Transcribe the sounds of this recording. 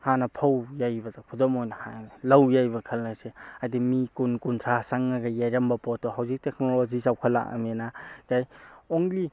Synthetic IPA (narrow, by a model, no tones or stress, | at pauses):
hanɐpʰawjajbɐdɐkʰudɔmojnɐhalawjajbɐkʰɐlnɐseajdimikunkuntʰɾasaŋːaɡajajɾɐmbɐpɔtːɔɦawzik̚tek̚nolozisawkʰɐla̰ʔa̰menakajoŋli